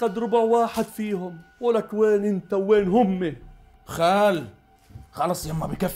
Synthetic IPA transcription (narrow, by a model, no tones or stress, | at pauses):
qad̪ɾʊbʊʕwaːħɪd̪fiːhʊmquːlakweːnʔɪnt̪awːeːnɦʊmːi | xaːl | xɑlɑsˤlamːabɪkaf